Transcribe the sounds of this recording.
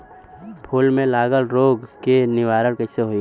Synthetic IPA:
pʰuːlmẽlaːɡəlɾoːɡkenɪʋaːɾəɽkəseɦoi

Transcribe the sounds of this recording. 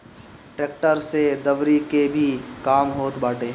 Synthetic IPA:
ʈɾeːk̚ʈəɾsed̪əʋɾikebʱikaːmɦoːt̪baːʈeː

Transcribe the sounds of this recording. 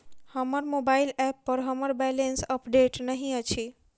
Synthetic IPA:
həmaɾmobajlɛpːəɾɦʌmaɾbɛlensəpɖeʈnəɦĩat͡ɕʰi

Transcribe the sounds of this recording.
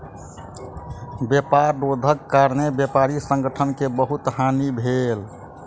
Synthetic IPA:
bjepaɾɖod̪ʱəkːaɾnebjepaɾisə̃ŋɡəʈʰənkebəɦut̪ɦanibʱel

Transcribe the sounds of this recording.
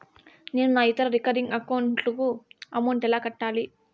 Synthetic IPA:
neːnunaːit̪ɐɾɐɾikɐɾiŋɡɐkɐwuɳʈlukuɐmɐwɳʈɛlaːkɐʈːaːli

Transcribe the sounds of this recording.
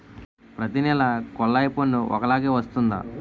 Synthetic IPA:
pɾɐt̪inɛlɐkɔlːɐjponːuʔɔ̰kɐlaːɡeːʋɐst̪und̪a̰ː

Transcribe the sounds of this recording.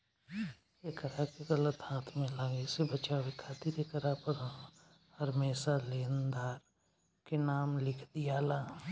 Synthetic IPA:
ekəɾakeɣɐlət̪haːt̪ʰmẽlaːɡesebət͡ʃawekʰaːt̪ɪɾekəɾapəɾ | hɐɾmeːsaleːnd̪aːɾ | kenaːmlɪkʰd̪ijaːlaː

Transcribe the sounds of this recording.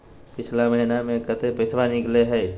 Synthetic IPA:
pɪt͡ʃʰlaməɦinamẽkət̪epesʋaːnikleɦɛː

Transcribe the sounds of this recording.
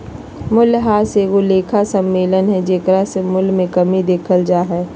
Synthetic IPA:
mʊlɦaːseɡoleːkʰasɐmːeːlənɦɛd͡ʒeːkəɾasemʊlmẽkɐmid̪eːkʰəld͡ʒaːɦɛː

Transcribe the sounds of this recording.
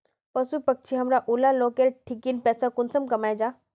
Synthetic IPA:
pɐsupɐk̚t͡ʃʰiɦɐmɾaʔulaloːkeɾʈʰɪkinpɛːsakʊnsəmkɐmaːjd͡ʒaː

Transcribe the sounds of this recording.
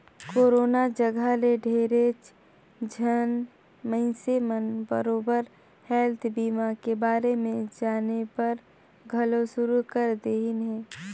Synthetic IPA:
koːɾoːnad͡ʒəɡʱaleɖʱeːɾet͡ʃ | d͡ʒʱən | mə̃ɪ̃semənbə̰ɾoːbəɾ | hɛːlt̪ʰbiːmakebaːɾemẽd͡ʒaːnepɐɾ | ɡʱəlosʊɾukəɾd̪eːɦɪnɦɛ̃ː

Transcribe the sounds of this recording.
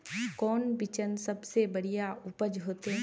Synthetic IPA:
kɔːnbɪt͡ʃənsɐbsebɐɽijaʊpəd͡ʒɦoːt̪eɦ

